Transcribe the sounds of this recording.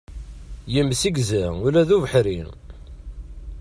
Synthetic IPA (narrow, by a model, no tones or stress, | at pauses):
jəmsiɡzæʊlæðuvəħɾin